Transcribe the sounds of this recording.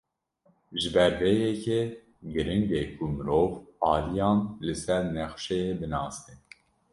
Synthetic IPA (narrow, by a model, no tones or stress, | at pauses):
ʒɨbɛɾvejɛke | ɡɨɾɨŋɡekʰumɨɾoːvɑːlijɑːnlɨsɛɾnɛxʃɛjebɨnɑːst̪e